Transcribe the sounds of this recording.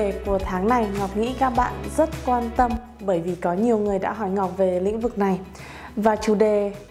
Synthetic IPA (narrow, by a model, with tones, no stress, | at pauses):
e˨˩ku˧˩ət̪ʰaː˨˦ŋna˨˩jŋɔ˨˩k͡p̚ŋḭ˧˥kaː˦˥k̚ɓa̰ː˧˨nzə˦˥t̚kwaː˧nt̪ə˧m | ɓəː˧˩jvi˨˩kɔ˨˦ɲi˨˩əwŋɨ˨˩əjɗa̰ː˧˥ɦɔ˧˩jŋɔ˨˩k͡p̚ve˨˩lḭ˧˥ŋ̟vɨ˨˩k̚na˨˩j | vaː˨˩t͡ɕu˧˩ɗe˨˩